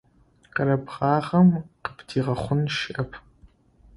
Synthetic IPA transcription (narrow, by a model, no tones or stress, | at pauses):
qəɾɐbʁɑːʁɐmqəpʰtʰiːʁɐχʷʊnʃɪʔɐpʰ